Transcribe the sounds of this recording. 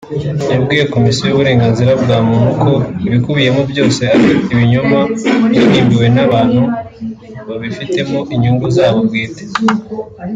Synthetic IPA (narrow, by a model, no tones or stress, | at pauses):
nibɡiːjeko̞misjojuβuɾe̞ːŋɡaːnziɾabɡaːmumukʰo̞iβikuβije̞mubjo̞ːse̞aɾiiβiɲo̞mabjoniːmbiwe̞naβaːn̥hu | βaβifite̞moʔiɲuːŋɡuzaːβobɡiːte̥